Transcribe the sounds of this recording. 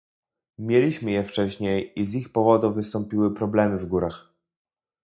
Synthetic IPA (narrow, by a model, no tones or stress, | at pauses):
mʲjelʲiɕmɘjɛft͡ʂɛɕɲejizixpɔvɔd̪uvɘst̪ɔmpʲiwɘpɾɔblɛmɘvɡuɾax